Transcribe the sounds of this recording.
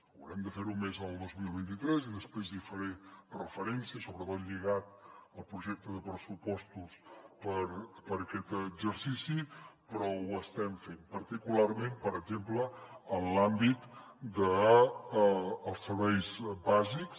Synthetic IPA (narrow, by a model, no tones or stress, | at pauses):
əwɾɛmd̪əfeɾumezəlˠd̪ozmilˠβint̪it̪ɾɛziðəspɾezðifəɾerəfəɾɛnsiəsoβɾət̪ot̪ʎiɣat̪əlˠpɾuʒɛk̚t̪əðəpɾəsupɔst̪uspəɾpəɾəkɛt̪əɡzəɾsisipɾɔwəst̪ɛmfempəɾt̪ikulaɾmempəɾəɡzempləənlambit̪ | d̪ə | lˠsəɾβɛjzbaziks